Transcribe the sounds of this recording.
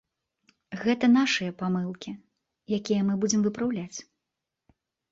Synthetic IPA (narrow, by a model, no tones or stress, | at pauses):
ɣɛt̪ɐnaʂɨjɐpamɨlˠkʲi | jakʲijɐmɨbud͡zʲɛmvɨpɾawlʲat͡sʲ